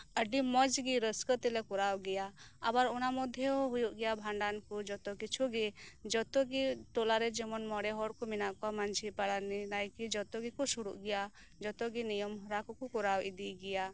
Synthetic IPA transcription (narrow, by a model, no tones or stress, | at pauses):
əɖimɔd͡ʒɡiɾəskət̪ilɛkɔɾawɡɛja | abaɾɔnamɔd̪ʱjɔɔɦujuʔɡɛjabʱaɳɖankɔd͡ʒɔt̪ɔkit͡ʃʰuɡid͡ʒɔt̪ɔɡiʈ̪ɔlaɾɛd͡ʒɔmɔnmɔɽɛɦɔɽkɔminakɔamand͡ʒʰipaɽaninajkid͡ʒɔt̪ɔɡikɔsuɽṵʔɡɛja | d͡ʒɔt̪ɔɡinijɔmɦɔɾakɔkɔkɔɾawid̪iɡɛja